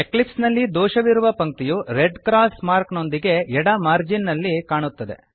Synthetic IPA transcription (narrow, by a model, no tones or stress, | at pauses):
eklipsnɐlːid̪ɔːʃɐʋiɾuʋɐpɐŋk̚t̪ijuɾeɖkɾaːsmaːɾkno̞nd̪iɡe̞ɛɽɐmaːɾd͡ʒinːɐlːikaːɳut̪ːɐd̪e̞̰